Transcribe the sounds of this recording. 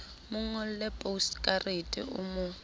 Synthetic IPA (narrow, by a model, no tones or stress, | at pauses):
mʊŋ̩ɔl̩lɛpʼoskʼaretʼḭʔʊ̰mʊ